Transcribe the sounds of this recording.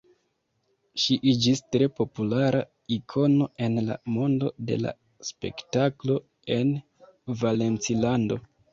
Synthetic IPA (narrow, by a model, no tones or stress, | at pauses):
ʃiʔid͡ʒistɾe̞po̞pulaɾa | ikʰo̞no̞e̞nla̰mo̞ndo̞de̞̰la̰ | spe̞̰ktaklo̞ | e̞n | vale̞nt͡silando̞